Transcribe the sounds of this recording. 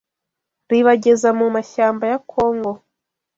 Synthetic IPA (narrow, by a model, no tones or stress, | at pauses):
ɾiβaɟe̞zamumaʃaːmbajakʰoːŋɡo̞